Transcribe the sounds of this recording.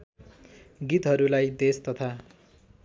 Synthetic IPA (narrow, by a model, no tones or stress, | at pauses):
ɡit̪ɦʌɾulajd̪est̪ʌt̪ʰa